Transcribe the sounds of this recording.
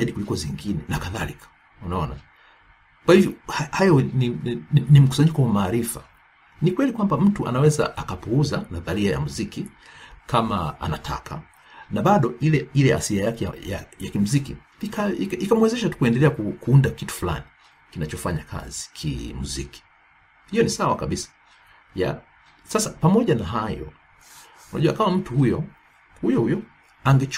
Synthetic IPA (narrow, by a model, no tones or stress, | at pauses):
aiɗikulikɔziŋɡinɛnakaðalikʰḁ | unaɔna | kwahivjɔhahajɔninim̩ku̥saɲikɔwamaːɾifa̰ | nikwɛlikwambam̩tuʔa̰nawɛza̰ʔakapuuzanaðaɾiaja̰muziki | kʰama̰a̰natʰa̰kʰa̰ | naɓaɗɔilɛilɛa̰siajakɛajajakim̩zikḭ | ikaiikamwɛzɛʃ̬atu̥kuɛndɛlɛakukuundakitu̥fula̰ni | kinat͡ʃɔfaɲakʰa̰zi̥kʰḭmuziki̥ | hijɔnisawakaɓisḁ | ja̰ | sasapamɔʄanaɦajɔ̰ | unaʄuwakamam̩tuhujɔ | hujɔhujɔ | aŋɡɛt͡ʃ